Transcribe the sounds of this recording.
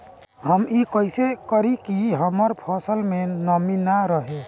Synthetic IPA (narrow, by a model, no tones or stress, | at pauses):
ɦəmikəjsekəɾikiɦəməɾpʰɔsəlmenəminaɾəɦe